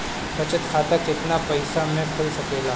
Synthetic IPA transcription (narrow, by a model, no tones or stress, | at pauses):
bɐt͡ʃət̪kʰaːt̪akɪt̪napɐɪsamẽkʰʊlsɐkeːlaː